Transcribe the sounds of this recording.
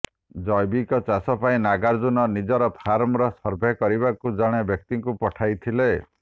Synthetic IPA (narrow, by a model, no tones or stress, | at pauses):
d͡ʒɔjbikɔt͡ʃasɔpaĩnaɡaɾd͡ʒunɔnid͡ʒɔɾɔpʰaɾmɾɔsɔɾbʱekɔɾibakud͡ʒɔɽ̃ebjɔk̚t̪iŋkupɔʈʰajt̪ʰile